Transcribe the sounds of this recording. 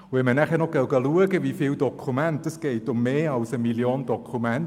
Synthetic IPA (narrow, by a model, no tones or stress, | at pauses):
wemənɛχɛnɔɡ̥ɛwɡəlˠuəɡɛvifɪwdɔkʰumɛnt̚d̥əsɡ̥ejdɔmeːawsəmiljɔndɔkʰumɛn